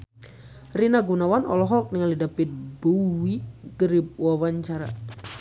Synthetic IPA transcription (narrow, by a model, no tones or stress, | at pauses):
rinaɡunawanɔ̰lɔɦɔlk̚niŋalidapit̪̚buwiɡəɾip̚wawaɲt͡ʃaɾa̰